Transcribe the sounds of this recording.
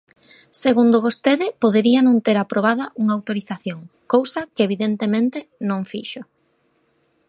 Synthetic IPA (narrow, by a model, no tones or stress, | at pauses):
seɣund̪ʊβost̪eðɪpoðeɾiɐnõnt̪eɾapɾoβ̞aðɐʔuŋawt̪oɾiθaθjoŋ | kowsɐkeeβiðent̪emẽnt̪ɪnõŋfiʃʊ